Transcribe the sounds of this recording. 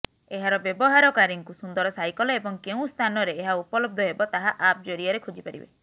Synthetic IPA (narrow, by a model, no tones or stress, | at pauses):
eɦaɾɔbjɔbɔɦaɾɔkaɾiŋkusund̪ɔɾɔsajkɔlɔebɔŋkeũst̪ʰanɔɾeːɦaupɔlɔb̚d̪ʱɔɦebɔt̪aɦaʔap̚d͡ʒoɾiɔɾekʰod͡ʒipaɾḭbḛ